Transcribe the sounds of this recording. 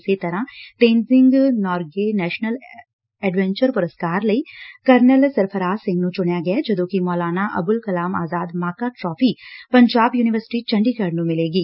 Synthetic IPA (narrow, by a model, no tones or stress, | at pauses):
set̪ɐɾãʈẽːnzɪ̃ŋɡnɔːɾɡenɛːʃnəl | ɛɖʋɛ̃ɲt͡ʃəɾpʊɾəskaːɾlɐikɐɾnəlsɐɾpʰəɾaːsɪ̃ŋɡnũt͡ʃʊɽjaɡɐjad͡ʒɐd̪õːkimɔːlaːnaʔɐ̰bʊlkɐlaːma̰ːzaːd̪maːkaʈɾɔːfiːpɐ̃ɲd͡ʒaːbjuːnɪʋəɾsɪ̥ʈit͡ʃɐ̃ɳɖikəɾnũmɪleːɡiː